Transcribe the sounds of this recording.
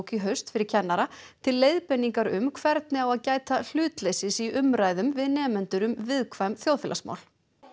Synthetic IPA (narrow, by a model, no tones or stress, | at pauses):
wciɦœɥst̪fɪɾɪɾ̥cʰɛnːaɾat̪ʰɪlːeːjðpɛnːiŋkaɾʏmkʰvɛɾt̪̚nɪawaðcaːjt̪al̥ʏːt̪lejsɪsiʏmɾaːjðʏmvɪðnɛːmʏnt̪ʏɾʏmvɪðkʰvajmθjowðfɪlasma̰ːwl